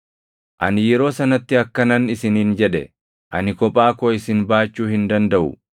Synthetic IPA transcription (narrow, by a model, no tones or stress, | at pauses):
ʔɐnɪjɛɾo̞ːsɐnɐt̪ːɪɐkːɐnɐnɪsɪniːnd͡ʒɛᶑɛ̰ | ʔɐ̰nɪkɔpʼaːkoɪsɪnbaːt͡ʃːuːhɪnd̪ɐnd̪ɐʔʊ̰